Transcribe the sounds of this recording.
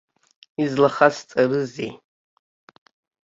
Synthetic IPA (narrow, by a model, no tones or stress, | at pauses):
izlaχast͡sʼarɨzi